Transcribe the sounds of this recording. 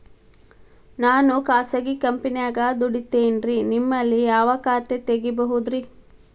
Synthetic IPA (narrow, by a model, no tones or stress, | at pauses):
naːnukaːsɐɡikɐmpinijaːɡaːd̪uɽit̪ːeːnɾinimːɐlːijaɐʋɐkaːt̪et̪eɡibɐɦud̪ɾi